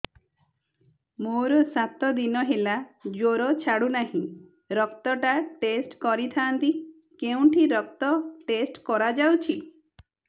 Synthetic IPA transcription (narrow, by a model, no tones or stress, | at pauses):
moɾɔsat̪ɔd̪inɔɦelad͡ʒoɾɔt͡ʃʰaɽunaɦĩ | ɾɔkt̪ɔʈaʈesʈkɔɾit̪ʰaːnt̪i | keũʈʰiɾɔk̚t̪ɔʈesʈkɔɾad͡ʒawt͡ʃʰi